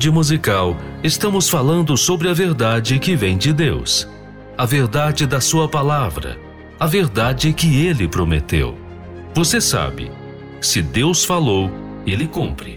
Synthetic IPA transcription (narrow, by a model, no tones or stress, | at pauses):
d͡ʒɪmuzikawest̪ɐ̃mʊsfalɐ̃nd̪ʊsobɾɪɐveɾd̪ad͡ʒɪkɪvẽj̃d͡ʒɪd̪ews | ɐveɾd̪ad͡ʒɪd̪ɐsuɐpalavɾɐ̰ | ɐveɾd̪ad͡ʒɪkɪelɪpɾomḛt̪ḛw | vosesa̰bɪ̰ | sɪd̪ewsfalow | elɪkõpɾɪ